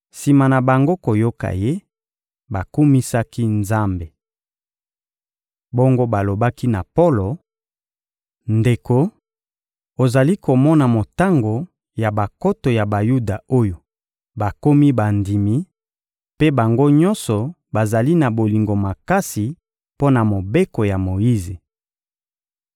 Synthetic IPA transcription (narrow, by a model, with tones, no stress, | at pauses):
si˨ma˨na˨ba˨ŋɡo˦ko˨jo˦ka̰˨je˦ | ba˨ku˦mi˦sa˦ki˦nza˦mbe˨ | bɔ˦ŋɡo˦ba˨lo˨ba˦ki˦na˨po˦lo˨ | nde˨ko˦ | o˨za˨li˦ko˨mɔ˦na˨mo˨ta˦ŋɡo˨ | ja˨ba˨ko˦to˨ja˨ba˨ju˦da˨o˦jo˨ | ba˨ko˦mi˦ba˨ndi˨mi˦ | pe˦ba˨ŋɡo˦ɲɔ̃˦nsɔ˨ | ba˨za˨li˦na˨bo˨li˨ŋɡo˨ma˨ka˦si˨ | po˦na˨mo˨be˦ko˨ja˨mo˨ji˦ze˨